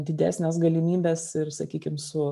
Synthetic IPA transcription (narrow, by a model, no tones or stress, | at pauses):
d̪ʲɪd̪ʲæ̰ːsʲnʲɛsɡɐlʲɪmʲiːbʲeːsɪrsɐkʲiːkʲɪmsʊ